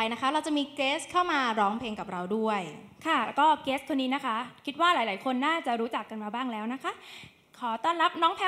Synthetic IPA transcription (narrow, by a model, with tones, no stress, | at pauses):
a˧jna˦˥kʰa˦˥ɾa˧wt͡ɕa˨˩miː˧keː˦˥skʰa˥˩wmaː˧ɾɔː˦˥ŋpʰeː˧ŋka˨˩p̚ɾa˧wdu˥˩əjkʰa˥˩lɛː˦˥wkɔː˥˩keː˦˥skʰo˧nːiː˦˥na˦˥kʰa˦˥kʰi˦t̪̚waː˥˩laː˩˦jlaː˩˦jkʰo˧nːaː˥˩t͡ɕa˨˩ɾuː˦˥t͡ɕa˨˩kːa˧nmaː˧baː˥˩ŋlɛː˦˥wna˦˥kʰa˦˥ʔ | kʰɔː˩˦t̪ɔː˥˩nɾa˦˥p̚nɔː˦˥ŋpʰɛ˧˥